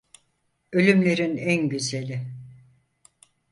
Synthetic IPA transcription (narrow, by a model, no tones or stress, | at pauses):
ø̞lʲymlʲe̞ɾinænɟyzelʲɪ